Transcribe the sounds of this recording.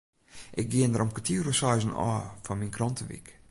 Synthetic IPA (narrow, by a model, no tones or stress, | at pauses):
ʔɪk̚ɡiəndəɾɔmkətʰiːrəsɔjzənɔ̰ːfɔnminkrɔntʰəʋḭk